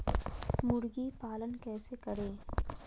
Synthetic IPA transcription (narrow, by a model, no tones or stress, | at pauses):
mʊɽɡipaːlənkɛːsekɐɽeː